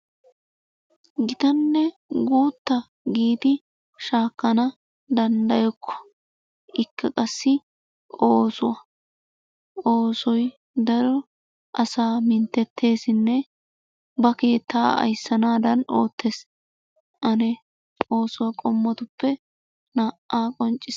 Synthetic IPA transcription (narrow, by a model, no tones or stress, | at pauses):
ɡɪt̪ɐnːɛ | ɡuːt̪ːɐ | ɡiːd̪ɪ | ʃaːkːɐnɐ | d̪ɐnd̪ɐjɔkʰːɔ̥ | ʔɪkːɐkʼɐsːɪ | oːsʊwɐ | ʔo̞ːsɔj | d̪ɐɾɔ | ʔɐsaːmɪnt̪ːɛt̪ʰːe̞ːsɪnːɛ | bɐke̞ːt̪ʰːaːɐ̰jsːɐnaːd̪ɐnʔo̞ːt̪ʰːeːs | ʔɐnɛ | o̞ːsʊwɐkʼɔmːɔt̪ʊpːɛ | naʔʔaːkʼɔnt͡ʃʼːɪs